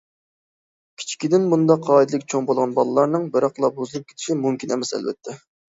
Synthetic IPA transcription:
kʲʰi̥t͡ʃʰi̥kʲid̪ɪnmund̪ɑqʰːɑːid̪ɨlˠɪkʲt͡ʃʰoŋbolˠʁɑnbɑlˠɨlˠɑɾnɨŋbɪɾɑqlˠɑbozɨlˠɨp̚kʲe̥t̪ʰɪ̥ʃimumkʲʰinɛ̰mɛsɛ̰lbɛ̰t̪ʰːɛ

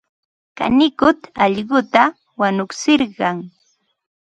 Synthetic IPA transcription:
ka̰nɪkʊt̪ɑʎɢʊt̪a | wanʊksɪɾɢɑŋ

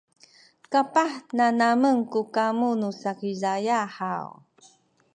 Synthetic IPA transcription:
kapaħnanaməŋkukamunusakizajaħaw

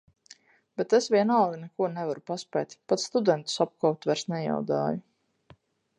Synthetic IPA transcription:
b̥ɛt̪esvʲiɛnaːlinɛkuɔnɛvaɾupaspɛ̰jt̪ʲpat̪sst̪ud̪ɛnt̪u̥sap̚kawt̪væɾsnɛja̰wd̪a̰ːju

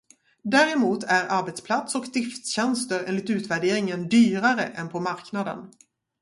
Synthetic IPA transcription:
d̪æːɾɛmuːt̪ʰæɾaɾbɛt̪spʰlat̪sɔkd̪ɪft̪ɕɛnst̪əɾḛːnlɪt̪ʉ̟ːt̪væɖeːɾɪŋənd̪yːɾaɾəʔɛnpʰɔmaɾknad̪ə̰n

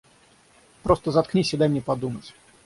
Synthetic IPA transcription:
pɾost̪əzɐt̪knʲisʲɪd̪ajmnʲepɐd̪umətʲ

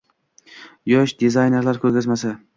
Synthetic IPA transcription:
jɒʃd̪ezajne̞ɾlaɾkʰʲɵɾɡʲazmasa

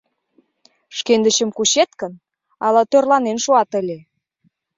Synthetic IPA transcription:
ʃkend̪əɕə̆mkuɕet̪kə̆n | ɑlɑt̪ørlɑnenʃoɑt̪əlʲe

